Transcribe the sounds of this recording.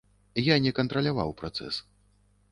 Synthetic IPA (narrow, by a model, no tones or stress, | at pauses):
janʲɛkɐnt̪ɾɐlʲava̰wpɾat̪sɛ̰s